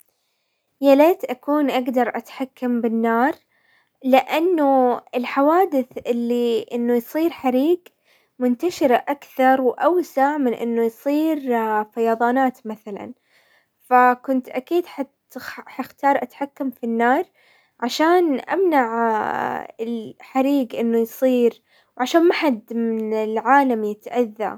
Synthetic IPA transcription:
jaleːt̪ʔakuːnʔaɡd̪ɑɾˤʔat̪ħakːambɪnːɑːɾˤ | lɪʔanːuɪlħawaːd̪ɪθʔɪlːiʔɪnːujsˤiːɾħaɾiːɡ | mʊnt̪aʃɪɾaʔakθɑɾˤwʔawsaʕmɪnʔɪ̰nːujsˤiːɾfajɑːðˤɑːnaːt̪maθala̰n | fakʊnt̪ʔakiːd̪ħat̪ | ħaxt̪ɑːɾˤʔat̪ħakːamfinːɑːɾˤ | ʕaʃaːnʔa̰mnaʕ | ɪlħaɾiːɡʔɪnːujsˤiːɾ | wʕaʃaːnmaħad̪mɪnɪlʕaːlamjɪt̪ʔaðːa̰

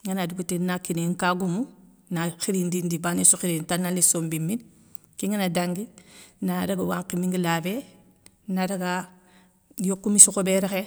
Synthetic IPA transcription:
ŋanaduɡutenakːineŋkaɡumu | naxiɾindindibanesuxiɾintanalisombimːin | kiŋanadaŋɡinadaɡawaŋkimiŋɡilabe | nadaɡa | jokːumisukobeɾexe

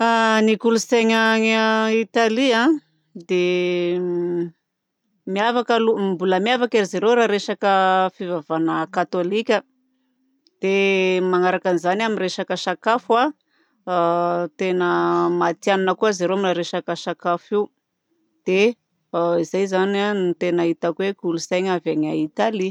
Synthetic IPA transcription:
anikuluseɲaŋit̪aliã | d̪e | miavakəlumbuləmiavakeɾizeɾewɾaɾeʃakəfivavanəkat̪olikʲə | d̪̥emaŋaɾakanizanaminreʃakəʃakafua | t̪enəmat̪jananəkuazaɾeoamiraɾeʃakəʃakafiw | d̪̥e | izajzananit̪enaɦit̪akwekulusajɲavaɲait̪ali

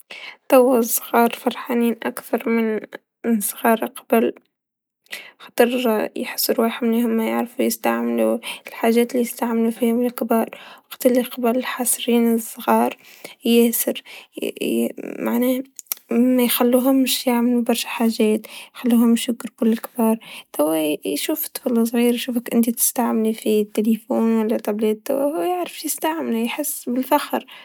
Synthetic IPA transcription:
t̪ɑwːasˤɣɑːɾˤfɑɾˤħaːniːnʔakθɑɾˤmɪn | sˤɣɑːɾˤqḁbɪl | xɑ̥t̪ˤɨɾˤjħɪ̥sˤːʊɾwaːħɪmleːhʊmːajɪ̰ʕɾɪfujɪst̪aʕmɪluɪlħaːʒeːt̪lːijɪst̪aʕmɪlufiːhʊmɪlkɪbɑːɾˤwɑqt̪ɪlːɪqɑbalɪlħaːsˤɾiːnɪsˤːɣɑːɾˤ | jesɪɾ | mʔaʕneː | mːajxalːuːɦʊmːɪʃjaʕmalubɑɾˤʃḁħaːʒeːt̪jxalːuːhʊmːɪʃjʊɡɾkʊlːɪlkɪbɑːɾˤt̪awːajʃuːft̪ːflsˤɣiːɾjʃuːfakʔɪ̰nd̪it̪ɪ̥st̪aʕmɪlifit̪ːelifoːnwalːat̪ablet̪ːawahuːjaʕɾɪfjɪst̪aʕmlujħɪsːbɪlfaxɾ

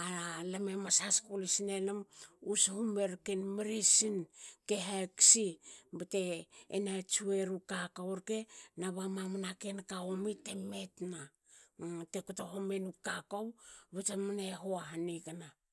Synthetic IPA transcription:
alamemasaskulisinelemushumeɾkenmiɾisinkeɦaksibete̞ːnat͡ʃueɾukakawɾkenaβamamanakenkaomitemetna | tekutoɦomenukakowβetemaneɦoaɦanikana

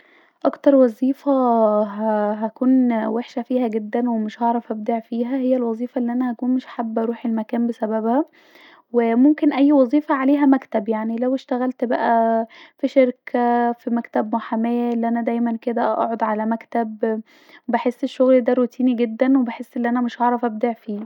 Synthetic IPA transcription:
ʔɑkt̪ɑɾˤwɑzˤiːfæɦæɦækuːnweħʃæfiːhæɡed̪ːænwemeʃhɑʕɾˤɑfʔæb̚d̪iʕfiːɦæhejːælwɑzˤiːfɑʔelːiʔænæhækuːnmeʃħabːʔɑɾˤuːħelmækæːmbesæbæbhæ | wemomkenʔæjːwɑzˤiːfɑʕaleːɦæmækt̪æbjaʕnilæweʃt̪æɣælt̪bæʔæfiʃeɾkʰæfimækt̪æbmoħamæjæʔelːiʔænæd̪æjmænked̪æʔɑ̰ʕod̪ˤʕalæmækt̪æb | webeħesːeʃːoɣld̪æɾot̪iːniɡed̪ːænwebeħesːʔelːiʔænæmeʃhɑʕɾˤɑfʔæb̚d̪iʕfiː

